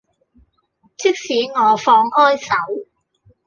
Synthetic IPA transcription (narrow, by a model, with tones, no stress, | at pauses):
t͡sʰɪ˥k̚siː˨˥ŋɔː˨˧fɔː˧ŋhɔː˥jsɐ˨˥w